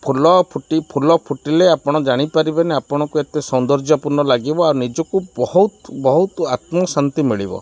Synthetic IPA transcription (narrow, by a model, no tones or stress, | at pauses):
pʰulɔpʰuʈipʰulɔpʰuʈileapɔɽ̃ɔd͡ʒaɽ̃ipaɾibeneapɔɽ̃ɔkuet̪esɔnd̪ɔɾd͡ʒapuɾnɔlaɡibɔaɾunid͡ʒɔkubɔhut̪bɔɦut̪at̪mɔsant̪imiɭibɔ̰